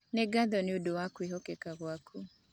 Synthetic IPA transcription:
neɡaðɔnɪodowakwiɦɔkɛkaɣwakʰu

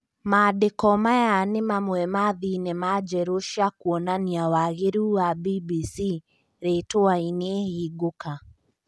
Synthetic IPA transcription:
madekɔmajanemamwɛmaðinemad͡ʒɛɾoʃakuɔnaniawaɣeɾuːwabibisi | ɾetoainehiɡoka

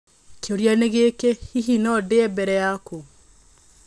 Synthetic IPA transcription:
keoɾjaneɣekehiɦinɔdeɛbɛɾɛjako

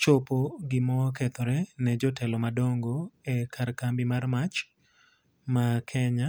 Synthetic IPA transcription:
t͡ʃopoɡɪmɔkɛt̪ɔɾɛnɛd͡ʒɔtʰɛlɔmadoŋɡoɛkʰarkambimarmat͡ʃ | makʰɛɲa

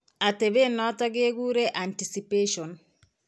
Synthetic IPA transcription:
at̪ebenɔt̪aɡeɡuɾeʔantisipeʃon

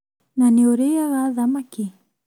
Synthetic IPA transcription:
nanioɾejaɣaðamaki

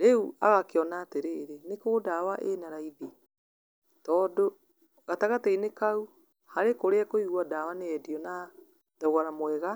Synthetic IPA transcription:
ɾeuaɣakeɔnaːteɾeːɾenekoɣdawaʔenaɾaiði | tɔːdo | ɣataɣatɛinekau | haɾekoɾeakoiɣwadawaneɛdiɔna | ðaɣaɾamwɛɣa

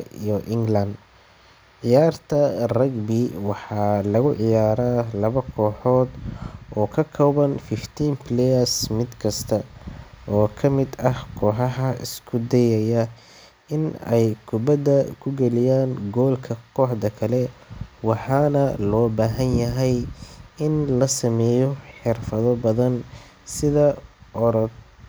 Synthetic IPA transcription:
ijɔʔɪŋɡlɐnd̪ | ʕɪjaːrt̪ʰɐrɐɡbɪwɑħɑːlɐɣʊʕɪjaːɾaːlɐβɐkʰɔːħɔːd̪ɔːkʰɐkʰɔβɐnfɪft̪ʰiːmpʰlɛɐsmɪd̪kʰɐst̪ʰɐ | ɔːkʰɐmɪd̪ɐhkʰɔːħɑɦɐʔɪ̰skʰʊd̪ɛjɐjɐ | ɪnɛjkʰʊbɐd̪ɐkʰʊɡɛlɪjaːnɡɔːlkʰɐkʰɔːħd̪ɐkʰɐlɛwɑħɑːnɐlɔːbaːɦɐnjɐɦɛjɪnlɐsɐmɛːjɔħɪrfɐðɔbɐðɐn | sɪðɐʔɔɾɔd̪

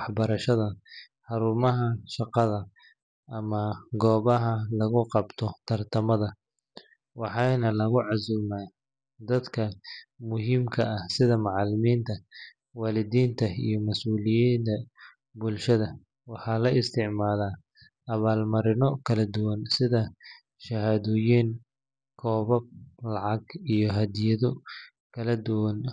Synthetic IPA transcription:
ħbɐɾɐʃɐðɐ | ħɑɾʊmɐɦɐʃɑqɑðɐ | ʔɐmɐɡɔːβɐɦɐlɐɣʊqɑbt̪ʰɔt̪ʰɐrt̪ʰɐmɐðɐ | wɑħɑjnɐlɐɣʊʕɑsuːmaː | d̪ɐd̪kʰɐmʊɦiːmkʰɐʔɐhsɪðɐmɑʕɑlɪmiːnt̪ʰɐ | waːlɪðiːnt̪ʰɐḭjɞmɐsuːlɪjiːnt̪ʰɐ | bʊlʃɐðɐ | wɑħɑːlɐʔɪst̪ʰɪʕmaːlaː | ʔɐβaːlmɐɾɪnɔkʰɐlɐd̪ʊwɐnsɪðɐ | ʃɐhaːðɔːjiːn | kʰɔːβɐb̚lɑʕɑɡijɞɦɐd̪jɐðɔ | kʰɐlɐd̪ʊwɐn

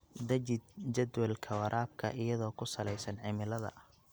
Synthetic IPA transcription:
d̪ɐd͡ʒɪd̪̚d͡ʒɐd̪wɐlkʰɐwɐɾʔaːb̚kʰɐ̰ʔɪjɐðɔːkʰʊsɐlɛjsɐnʕɪmɪlɐðɐ̰ʔ

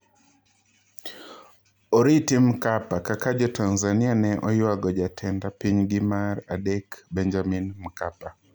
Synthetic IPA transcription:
ɔɾitim̩kapakakad͡ʒɔtʰanzanianɛʔɔjwaɡɔd͡ʒatʰɛndapiɲɡɪmaɾadɛkbɛɲd͡ʒaminm̩kapa

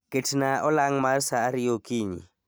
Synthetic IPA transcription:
kʼetʰinaʔʊlaŋ̩marsaːɾiokʼiːɲḭ

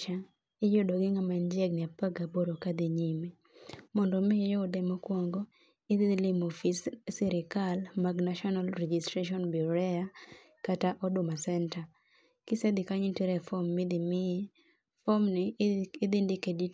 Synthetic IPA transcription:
a | ɪjodoɡɪŋamand͡ʒjɛɡ̚nɪapaɡaboɾokad̪iɲimi | mɔndɔmɪjɔdɛmɔkwɔŋɡɔ | ɪd̪ɪlɪmofissiɾɪkalmaɡnaʃɔnalɾɛd͡ʒistɾeʃɔnbɾɛa | kataʔɔdʊmasɛnta | kɪsɛd̪ɪkaɲɪtiɾɛfɔmːɪd̪ɪmɪ | fɔmnɪɪd̪ɪndɪkedi

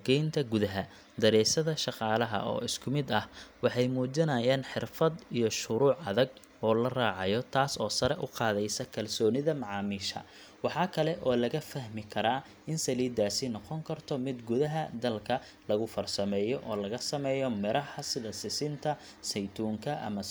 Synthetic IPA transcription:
ɡɛjnt̪ʰɐɡʊðɐɦɐ | d̪ɐɾɛːsɐðɐʃɑqɑːlɐɦɐ̰ʔɔ̰ːɪskʰʊmɪd̪ɐhwɑħɑjmuːd͡ʒɪnɐjaːnħɪrfɐd̪ijɞʃʊɾuːʕɐðɐɡ | ɔːlɐraːʕɑjɔt̪ʰaːsɔːsɐɾɛʔʊ̰qɑːðɛjsɐkʰɐlsɔːnɪðɐmɑʕɑːmiːʃɐ̰ | wɑħɑːkʰɐlɛʔɔːlɐɣɐfɐhmɪkʰɐɾaː | ɪnsɐliːd̪aːsɪnɔqɔŋkʰɐrt̪ʰɔmɪd̪ɡʊðɐɦɐd̪ɐlkʰɐ | lɐɣʊfɐrsɐmɛːjɔʔɔːlɐɣɐsɐmɛːjɔmɪɾɐhɐsɪðɐsɪsɪnt̪ʰɐ | sɛjt̪ʰuːŋkʰɐʔɐ̰mɐ

